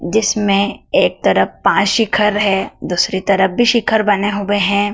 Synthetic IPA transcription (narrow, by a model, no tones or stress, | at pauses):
d͡ʒɪsmẽeːk̚t̪ɐɾəfpãːt͡ʃʃɪkʰəɾɦɛːd̪uːsɾit̪ɐɾəfbʱiʃɪkʰəɾbɐneɦʊeɦɛ̃ː